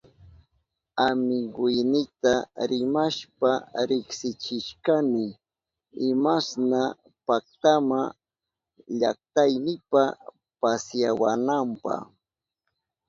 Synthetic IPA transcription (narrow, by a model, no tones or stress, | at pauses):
amɪɡʊjnɪt̪aɾɪmaʃpaɾɪksɪt͡ʃɪʃkanɪ | ɪmasna | pak̚t̪ama | ʎa̰k̚t̪ajnɪpa | pasjawa̰nampɑ̰χ